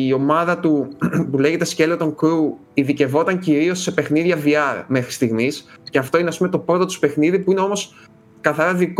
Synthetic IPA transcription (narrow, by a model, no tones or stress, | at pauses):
io̞mɐðɐt̪upule̞ɣe̞t̪esce̞lot̪o̞ŋkɾu | iðice̞vo̞t̪ɐɲciɾio̞sːe̞pe̞xniðʝɐviɐɾme̞xɾist̪iɣmisce̞ɐft̪o̞ineɐspumet̪o̞pɾo̞t̪ot̪u̥spe̞xniðipuine̞o̞mo̞s | kɐθɐɾɐðik